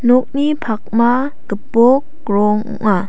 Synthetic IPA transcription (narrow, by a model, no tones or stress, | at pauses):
nɔk̚nipʰak̚ma | kəpɔkː | ɾɔŋɔ̰ʔa